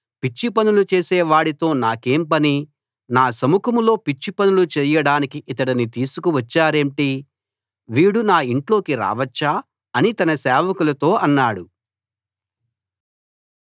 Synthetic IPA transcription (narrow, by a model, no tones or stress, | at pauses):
pit͡ʃːipɐnulut͡ʃeːsɛːʋaːɽit̪o̞ːnaːkeːmpɐni | naːsɐmukʰɐmulo̞ːpit͡ʃːipɐnulut͡ʃɛːjɐɽaːnikiʔit̪ɐɽɐnit̪iːsukuʋɐt͡ʃːaːɾeːɳʈi | ʋiːɽunaːiɳʈlo̞ːkiɾa̰ːʋɐt͡ʃːaː | ɐnit̪ɐnɐsɛːʋɐkulɐt̪o̞ːʔɐnːaːɽu